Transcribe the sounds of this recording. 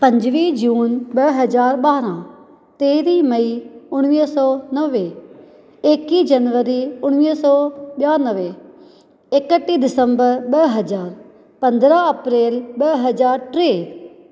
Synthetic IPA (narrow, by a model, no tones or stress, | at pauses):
pɐ̃ɲd͡ʒʋid͡ʒuːnɓəɦɐzaːɾɓaːɾã | t̪eːɾimɐiʊɽ̃ʋiːsɔːnəʋe | eːkid͡ʒɐnʋəɾiʊɽ̃ʋiːsɔːɓjaːnəʋe | ekəʈːiɗɪsə̃mbəɾɓəɦɐzaːɾ | pɐ̃nd̪ɾaɐpɾeːlɓəɦɐzaːɾʈɾeː